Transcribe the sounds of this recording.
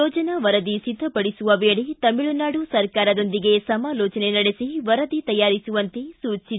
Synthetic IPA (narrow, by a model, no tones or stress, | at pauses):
ɔːd͡ʒɐnɐʋɐɾɐd̪isid̪ʱːɐpɐɽisuʋɐʋeːɭit̪ɐmiɭunaːɽusɐɾkaːɾɐd̪o̞nd̪iɡe̞sɐmaːlɔːt͡ʃɐnenɐɽesiʋɐɾɐd̪it̪ɐjːaːɾisuʋɐnt̪esuːt͡ʃi